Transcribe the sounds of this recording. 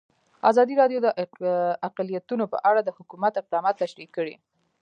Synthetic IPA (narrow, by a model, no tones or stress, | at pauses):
a̰zɑd̪iɾɑɖjod̪əʔaqalijat̪unopə̰ʔaɽad̪əhʊkumat̪ɪq̚d̪ɑmɑt̪ːaʃɾikːəɽḭ